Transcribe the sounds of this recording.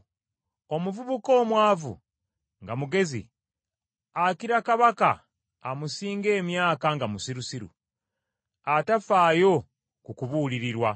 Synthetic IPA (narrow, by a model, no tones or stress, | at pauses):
o̞muvuβuko̞ːmwaːvṵ | ŋɡamuɡe̞zḭ | akiɾakaβaka̰ː | musiːŋɡe̞ːmjaːkaŋɡamusiɾusiɾṵ | atafaːjo̞ | kukuβuliɾiɾwa